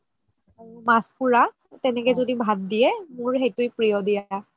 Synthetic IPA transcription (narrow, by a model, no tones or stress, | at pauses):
maspuɹa | tɛnɛkɛzodibʱat̚dijɛmʊɹxejtʊjpɹijɔdija